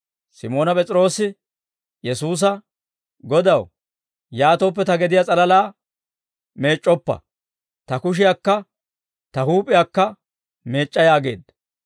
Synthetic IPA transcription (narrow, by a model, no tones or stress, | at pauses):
sɪmo̞ːnɐpʼɛt͡sʼɾo̞ːsɪ | jɛsuːs̬ɐ | ɡɔd̪ɐw | jaːt̪oːpːɛt̪ɐɡɛd̪ɪjat͡sʼɐlɐlaː | me̞ːt͡ʃʼːɔpːɐ̰ | t̪ɐkʊʃ̬ɪjakːɐ | t̪ɐhuːpʼːɪjakːɐ | me̞ːt͡ʃʼːɐjaːɡe̞̰ːd̪ɐ